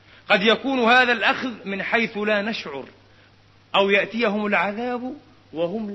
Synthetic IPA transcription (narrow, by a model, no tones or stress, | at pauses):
qɑd̪jakuːnhaːðalʔaxðmɪnħajθlaːnaʃʕʊ̰ɾ | ʔawjaʔt̪ɪjahʊmalʕaðaːb | wahʊm